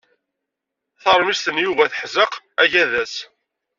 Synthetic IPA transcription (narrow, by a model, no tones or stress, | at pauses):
θəɾˤmist̪ənjuvæθəħzəq | æʝæðæs